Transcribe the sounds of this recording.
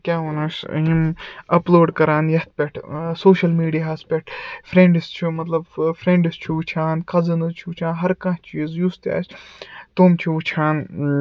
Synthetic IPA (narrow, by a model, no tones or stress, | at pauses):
kʲaːɦunɐʃɦimɐploːɖkɐɾaːnjɐht̪̚pʲeʈʰsoːʃɐlmiːɖijaɦɐspʲeʈʰfɾẽɳɖist͡ʃʰumɐt̪lɐbfɾẽːɳɖist͡ʃʰuut͡ʃʰaːnkʰɐzɐnɨt͡ʃʰut͡ʃʰãːnɦɐɾkãːt͡ʃiːzjust̪ja̰ːst̪oːmt͡ʃʰiut͡ʃʰaːn